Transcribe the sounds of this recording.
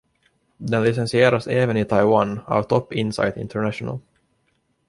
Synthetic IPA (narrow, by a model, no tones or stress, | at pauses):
d̪ɛnlɪsɛnsɪeːɾaseːvənɪt̪ʰajwana̰ːvt̪ʰɔpːɪnsa̰jt̪ɪ̰nt̪ʰəɳæʂʊna̰l